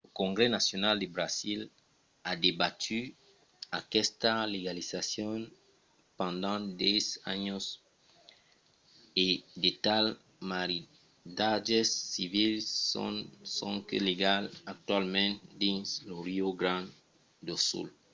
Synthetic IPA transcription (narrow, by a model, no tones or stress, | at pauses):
lokõŋɡɾenasjonald̪ebɾazil | ad̪ebat̪ʰy | akɛst̪aleɡalizasjɔn | pɑ̃nd̪ɑ̃d̪ɛza̰ɲos | ed̪et̪al | maɾi | d̪adesːivil̰ | sɔ̃ŋkeleɡalak̚t̪walmɛ̃nt̪d̪ĩnsloɾioɡɾãn | d̪osṵl